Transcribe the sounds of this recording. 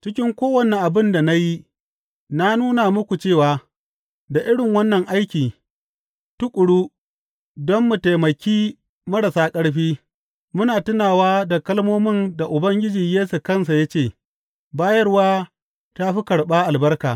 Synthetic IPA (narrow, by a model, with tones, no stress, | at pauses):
t͡ʃɪ˦kʲɪ˦ŋkʷoː˦wɐ˨ne˨ʔa˨bɪ˦nda˨na˦ji˦ | na˦nuː˦na˨mʊ˦kʷu˨t͡ʃeː˦˨waː˨ | da˨ʔɪ˦ɽɪ˨ŋwɐ˦nːɐ˨ŋʔa˦jkʲiː˨ | tʊ˦kʷʼʊ˨ɽu˦ | dɔ˦mːu˨ta˨jmɐ˨kʲiː˦ | mɐ˦ɽa˨saː˦kʼɐ˦ɽɸiː˦ | mʊ˦naː˨tʊ˦naː˨waː˦da˨kɐ˦lmoː˦mɪ˦˨nda˨ʔʊ˨bɐ˦ŋɡʲɪ˦d͡ʒiː˨jeː˦su˨kɐ˦˨ns̬a˨ja˦t͡ʃeː˦˨ | baː˦jɐ˦rwaː˦ | ta˦ɸi˦kɐ˨ɽɓaː˦ʔa˨lbɐ˦rka̰ː˨